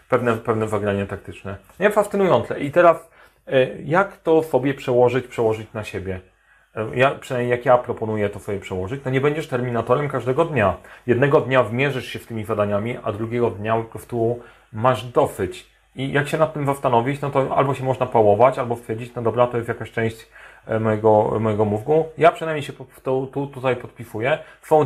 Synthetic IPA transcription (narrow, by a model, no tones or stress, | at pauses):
pɛvnɛpɛvnɛvɛɡɾaɲɛt̪ak̚t̪ɘt͡ʂnɛ | ɲɛfast̪ɘnujɔnt̪sɛʔit̪ɛɾas | jakt̪ɔsɔbʲjɛpʂɛwɔʐɘt͡ɕpʂɛwɔʐɘt͡ɕnaɕebʲjɛ | japʂnamʲejakjapɾɔpɔnujɛt̪ɔsɔbjɛpʂɛwɔʐɘt͡ɕnɔɲɛbɛɲd͡ʑɛʂt̪ɛɾmʲinat̪ɔɾɛmkaʐd̪ɛɡɔd̪ɲajɛd̪nɛɡɔd̪ɲavmʲjɛʐɘʂɕɛft̪ɘmʲizad̪aɲamʲiʔad̪ɾuɡʲɛɡɔd̪ɲakɾɔft̪uu | maʐd̪ɔfɘt͡ɕ | ijʔakɕɛnat̪ːɘmzast̪anɔvʲit͡ɕnɔt̪ɔa̰lbɔɕɛmɔʐnapawɔvat͡ɕalbɔst̪fʲɛɾd͡ʑit͡ɕnɔd̪ɔbɾat̪ɔjɛst̪jakaɕt͡ʂɛ̃w̃ɕt͡ɕ | mɔjɛɡɔmɔjɛɡɔmufɡujapʂɨnajmɲejɕɛpt̪ɔt̪ut̪ut̪ajpɔt̪̚pʲisujɛsfɔ̃w̃